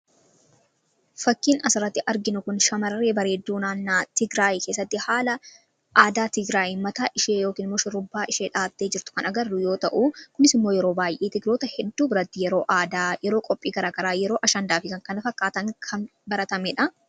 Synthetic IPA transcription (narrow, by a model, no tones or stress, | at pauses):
fɐkːiːnɐsɪrɐt̪ːɪʔɐɾɡɪnʊkʊnʃɐmɐɾɐreːbɐɾe̞ːd̪ːuːnaːnːaːt̪ɪɡɾaːjke̞ːs̬ːɐt̪ːɪhaːlɐ | ʔaːd̪aːt̪ɪɡɾaːjɪmɐt̪aːʔɪʃeːjo̞ːkiːnmʊʃɪɾʊbːaːʔɪʃeːᶑaːt̪ːe̞ːd͡ʒɪɾt̪ʊ̥kɐnɐɡɐrːʊjo̞ːt̪ɐ̰ʔuːkʊnɪsɪmːo̞ːjɛɾo̞ːbaːjʔeːt̪ɪɡɾo̞ːt̪ɐhɛd̪ːuːbɪɾɐt̪ːɪjɛɾo̞ːʔaːd̪aːjɛɾo̞ːkʼɔpʼːiːɡɐɾaːɡɐɾaːjɛɾo̞ːʔɐʃɐnd̪aːfɪkɐŋkɐnɐfɐkːaːt̪ɐŋkʰɐnbɐɾɐt̪ɐmeːᶑɐ